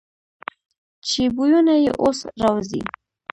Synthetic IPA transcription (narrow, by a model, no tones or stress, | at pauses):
t͡ʃebujunajḛʔosɾawzḭ